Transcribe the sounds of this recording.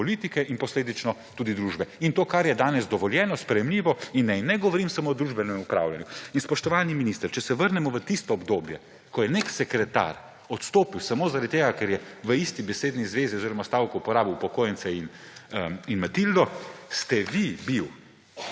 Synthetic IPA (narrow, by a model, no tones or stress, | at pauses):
ɔliːt̪ikɛʔinpɔsleːd̪it͡ʃnɔt̪uːd̪id̪ɾuʒbɛint̪oːkaɾjɛd̪aːnɛzd̪ɔʋɔljɛːnɔspɾɛjɛmliːʋɔinːɛjnɛɡɔʋɔɾimsamoɔd̪ɾuʒbɛnɛmupɾa̰ːwljanjuinspɔʃt̪ɔʋaːniminist̪əɾt͡ʃɛsɛʋəɾnɛmɔʋət̪ist̪ɔɔbd̪oːbjɛ | kɔjɛneksɛkɾɛt̪a̰ɾ | ɔt̪st̪oːpiwsamoːzaɾad̪̚t̪ːeːɡakɛɾjɛʋəist̪ibɛseːd̪nizʋeziɔziːɾɔmast̪awkɔupɔɾaːbiwpɔkoːjɛnsɛin | inmɛt̪ild̪ɔst̪ɛʋibiw